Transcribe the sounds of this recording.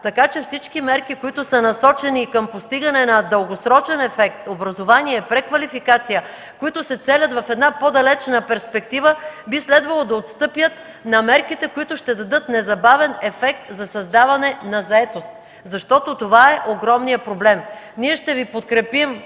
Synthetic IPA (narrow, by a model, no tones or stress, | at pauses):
t̪ɐkat͡ʃɛfsit͡ʃkimɛɾkikoit̪ʊsənɐsɔt͡ʃɛnikəmpost̪iɡɐnɛnɐd̪əlˠɡosɾɔt͡ʃɛnɛfɛkt̪obɾɐzovaniɛpɾɛkvɐlifikat̪sijə | koit̪ʊsɛt̪sɛlʲət̪vɐfɛd̪napod̪ɐlɛt͡ʃnəpɛɾspɛk̚t̪ivəbislɛd̪vɐlˠod̪ɐot̪st̪ɤpjət̪ | nɐmɛɾkit̪ɛkoit̪ʊʃt̪ɛd̪ɐd̪ɤt̪nɛzɐbavɛnɛfɛk̚t̪zɐsɐzd̪avɐnɛnɐzɐɛt̪ost̪ | zɐʃt̪ɔt̪ot̪ovaɛʔoɡɾɔmnijəpɾoblɛmniɛʃt̪ɛvipot̪kɾɛpim